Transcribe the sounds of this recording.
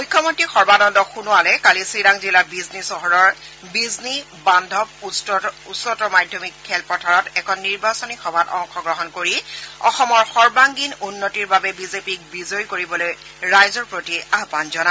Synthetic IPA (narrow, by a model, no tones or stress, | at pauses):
mujkʰːjɔmontɹixɔɹbanɔndɔxunʊalɛkalisidaŋzilabiznisɔɦɔɹɔɹ | bizni | bandʱɔb̚susɔtɔmadʱjɔmikʰːɛlpɔtʰaɹɔtɛkʰɔnːiɹbasɔnixɔbʱatɔ̰ŋxɔɡɹɔɦɔnkoɹiɔxɔmɔɹxɔɹbaŋɡinunːotiɹbabɛbizepik̚bizojkoɹibɔloj | ɹajzɔɹpɹotiaɦpanzɔna